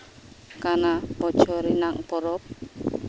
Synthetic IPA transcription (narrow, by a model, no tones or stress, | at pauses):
kanapɔd̥ʒ̥ɔ̤ɾinaŋpɔɾɔp̚